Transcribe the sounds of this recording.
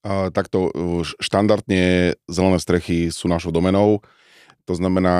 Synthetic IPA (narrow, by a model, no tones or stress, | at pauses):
t̪akt̪ɔʃt̪and̪aɾd̪ɲɛzɛlɛnɛːst̪ɾɛxisuːnaʃɔʊd̪ɔmɛnɔʊ | t̪ɔznamɛnaː